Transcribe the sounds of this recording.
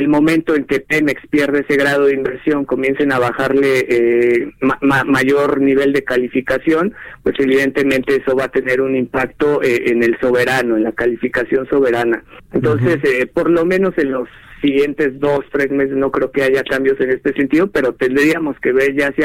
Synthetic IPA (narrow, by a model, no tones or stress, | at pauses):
elmõ̞mẽnt̪o̞e̞ŋke̞pemekspje̞ɾðeese̞ɣɾað̞o̞ð̞imbe̞ɾsjo̞ŋko̞mje̞nse̞naβaxaɾle̞ʔemamamaʝo̞ɾniβ̞e̞ld̪e̞kalifikasjo̞npwe̞se̞βiðent̪e̞mẽ̞nt̪e̞eso̞βat̪e̞ne̞ɾunimpakt̪o̞ʔeʔene̞lso̞β̞e̞ɾano̞e̞nlakalifikasjo̞nso̞βe̞ɾanaentt̪o̞nse̞sepo̞ɾlo̞mẽ̞no̞se̞nlo̞sːiɣje̞nt̪e̞zðo̞st̪ɾe̞sme̞s̬esno̞kɾe̞okeaʝakambjo̞se̞ne̞st̪e̞se̞nt̪ið̞o̞pe̞ɾo̞t̪e̞nd̪ɾiamo̞ske̞βe̞ɾʝasja